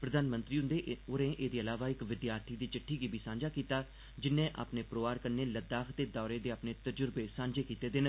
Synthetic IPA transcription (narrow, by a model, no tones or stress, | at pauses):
pɾəd̪aːnmə̃nt̪ɾiːʊ̃nd̪eːʊɾẽːʔeːd̪iːəlaːʋaːɪkʋɪd̪jaːɾt̪ʰiːd̪iːt͡ʃɪʈʰːiːɡiːbʱiːsãːɲd͡ʒaːkiːt̪aː | d͡ʒɪnːẽːʔa̰ːpneːpɾoːaːɾkəɾneːləd̪aːkʰd̪eːd̪ɔːɾeːd̪eːaːpneːt̪əd͡ʒʊɾbeːsãːɲd͡ʒeːkiːt̪eːd̪en